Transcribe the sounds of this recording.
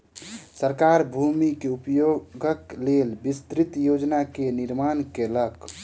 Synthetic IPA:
səɾkaɾbʱumikeupjoɡʱəklelbist̪ɾit̪jod͡ʒnakeniɾmankelək

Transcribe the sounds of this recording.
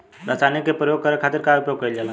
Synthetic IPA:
ɾat͡ʃanikːepɾəjoɡ̚kəɾekʰat̪iɾkaupjoɡ̚kəild͡ʒala

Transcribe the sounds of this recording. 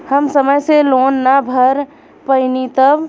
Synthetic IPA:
həmsəməjselonːabʱəɾ | pəɪnit̪əb

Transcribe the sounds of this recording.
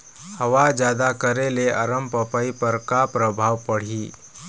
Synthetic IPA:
həʋad͡ʒjad̪akəɾeleʔəɾəmpəpaipəɾkapɾəbʱaʋpəɽ̤iː

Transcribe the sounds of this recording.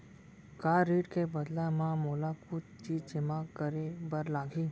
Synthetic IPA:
kaɾiʈkebəd̪lamãmolakut̪t͡ɕit͡ʃɪmakəɾebəɾlaɡĩ

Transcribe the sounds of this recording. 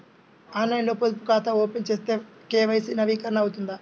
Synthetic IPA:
aːnɐjnloːpod̪upukaːt̪ɐoːpent͡ʃeːst̪eː | kɛːʋɐjsinɐʋiːkɐɾɐnɐwut̪und̪a

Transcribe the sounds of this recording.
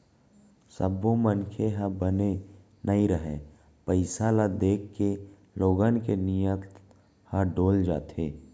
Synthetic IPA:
sə̰bːomənkʰeɦəbəne | nəĩɾəɦẽː | pəɪsalad̪eːkːe | loːɡənkenijət̪ | həɖoːld͡ʒa̰ːt̪ʰeː

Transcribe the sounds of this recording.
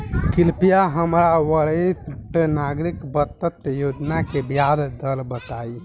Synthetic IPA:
kilpijaɦəmɾawəɾət̪ʈnaɡɾikbət̪ːət̪jod͡ʒnakebijad̪d̪əlbət̪aj

